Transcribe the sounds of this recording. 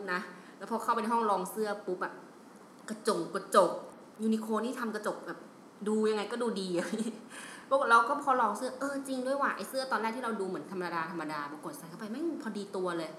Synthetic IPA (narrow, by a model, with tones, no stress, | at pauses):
na˦ | lɛː˦˥pʰɔ˧kʰa˥˩pa˧na˧jhɔ˥˩ŋlɔː˧ŋsɯ˥˩ɐpu˦˥p̚ʔɛ˨˩p̚ | ka˧˩t͡ɕo˨˩ŋkɔ˧˩t͡ɕo˨˩k̚ | juː˧ni˧kʰoː˧niː˥˩t̪ʰa˧mka˧t͡ɕo˨˩k̚bɛː˨˩p̚ | duː˧ja˧ŋa˧jkɔː˥˩duː˧diː˧a˧˩˧pʰɔ˦˥˨ɾa˧wkɔː˥˩pʰɔː˧lɔː˧ŋsɯ˥˩ɐʔɤː˧t͡ɕi˧ŋdu˥˩əjwaː˧˩ʔa˧˩jsɯ˥˩ɐt̪ɔː˧nlɛː˥˩k̪̚ʰiː˥˨˧wduː˧mɯ˨˩˦nt̪ʰa˧mːa˧daː˧t̪ʰa˧mːa˧daː˧bɔː˨˩˦ko˨˩t̪̚sa˨˦jkʰa˥˩pa˧jma˥˩jpʰɔː˧diː˧t̪u˧ɐlɤː˧j